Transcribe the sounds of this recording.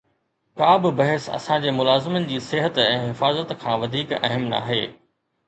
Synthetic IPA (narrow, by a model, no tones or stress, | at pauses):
kaːbɪbɐɦɪsɐ̰sãd͡ʑeːmʊlaːzɪmənɪ̆d͡ʑiːseɦət̪ɛ̃ːɦɪfaːzət̪kʰãːʋɐd̪ʱiːkɐ̰ɦɪmna̰ːɦeː